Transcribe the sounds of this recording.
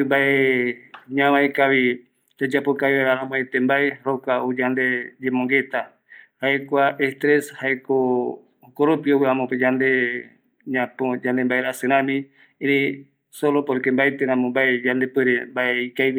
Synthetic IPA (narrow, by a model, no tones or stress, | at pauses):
mbaʔe | ɲãβaekaβi | d͡ʒad͡ʒapokaiβeɾaɾãmõet̪embaeɾokaod͡ʒand̪e̞d͡ʒẽmõŋɡe̞t̪a | haekʷaʔest̪ɾeshaeko | okoɾopioβɨãmõped͡ʒand̪e | ɲãpod͡ʒand̪embaeɾasɨɾ̃ãmĩ | eɾĩ | solopoɾikembaet̪eɾãmõmbaed͡ʒand̪e̞peɾembaʔeikajβ